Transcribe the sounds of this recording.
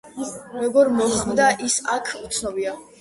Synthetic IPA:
mɛɡɔɾmɔχmd̪aʔisakʰut̪sʰnɔbia

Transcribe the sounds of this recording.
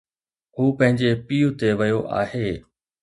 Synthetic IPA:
ɦuːpɐ̃ɦɪ̃ɲd͡ʑepiːjʊt̪eʋɐjoʔa̰ːɦeː

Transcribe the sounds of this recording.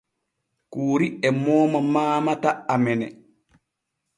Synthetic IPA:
kuːɾiɛmɔːmamaːmataamɛnɛ̰

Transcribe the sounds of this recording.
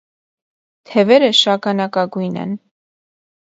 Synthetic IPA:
t̪ʰɛvɛɾəʃɑkɑnɑkɑɡujnɛ̰n

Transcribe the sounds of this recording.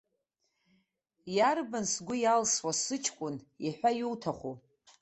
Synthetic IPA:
jarbansɡʷʊjalswasɨt͡ʃʰʼkʷʼʊn | iħᶣʷajuwtʰaχʷu

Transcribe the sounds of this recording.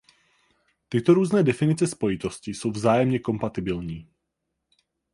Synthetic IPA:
t̪ɪt̪o̞ɾuːznɛːdɛfɪnɪt͡sɛspo̞jɪt̪o̞scɪso̞wvzaːjɛmɲɛko̞mpat̪ɪbɪlɲiː

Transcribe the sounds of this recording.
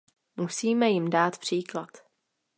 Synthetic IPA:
musiːmɛjɪmdaːt̪pr̝̥iːklat̪

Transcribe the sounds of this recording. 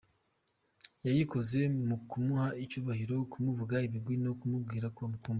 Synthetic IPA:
jajiko̞ze̞mukumuhait͡ʃuːβahiɾo̞kumuvuɡaiβiɡwino̞kumub̚ɡiːɾakuamukuːmb

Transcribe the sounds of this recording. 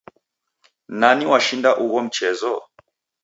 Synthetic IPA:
naniwaʃindaʔuɣɔm̩t͡ʃɛzɔ

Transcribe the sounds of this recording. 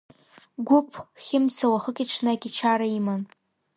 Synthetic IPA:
ɡʷupʰχʲɪmt͡sʰawaχəkʲʼiʈ͡ʂʰnakʲʼiʈ͡ʂʰaɾaiman

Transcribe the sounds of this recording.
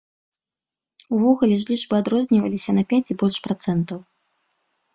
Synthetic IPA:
uvɔɣulʲɛʐlʲiʐbɨad̪ɾɔzʲnʲivɐ̰lʲisʲɐnɐpʲat͡sʲibɔlʲʂpɾat̪sɛnt̪ɐw

